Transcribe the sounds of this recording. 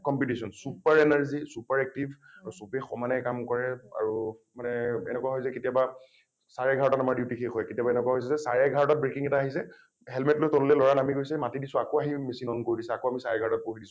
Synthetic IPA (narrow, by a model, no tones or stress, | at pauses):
kɔmpitisɔnsupaɹenaɹzisupaɹɛk̚tib | aɹusɔpɛxɔmanɛkamkɔɹɛa̰ɹumanɛɛ̰nɛkwaɦojsɛketijaba | saɹaɡʱaɹɔtatamaɹdiʊtikʰexʰɔjketijabaɛnɛkwaɦojsɛzɛsa̰ɹɛɡʱaɹɔtat̚bɹekiŋɛtaaɦisɛ | ɦɛlmɛtlojtɔnulɛlɔɹanamiɡojsɛmatidisʊ̃akoaɦimesinɔnkoɹidisɛakoamisaɹɛɡʱaɹɔtat̚poɦidisʊ̃